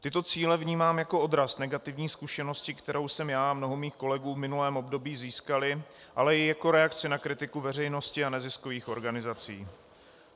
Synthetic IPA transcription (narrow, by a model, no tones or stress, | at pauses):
t̪ɪt̪o̞t͡siːlɛvɲiːmaːmjako̞o̞d̪ɾasnɛɡat̪ɪvɲiːskuʃɛno̞scɪkt̪ɛɾo̞wsɛmjaːamno̞ɦomiːxko̞lɛɡuːvmɪnulɛːmo̞bdo̞biːziːskalɪ | ʔalɛjɪjako̞ɾɛakt͡sɪnakɾɪt̪ɪkuvɛr̝ɛjno̞scɪanɛzɪsko̞viːxo̞ɾɡanɪzat͡sḭː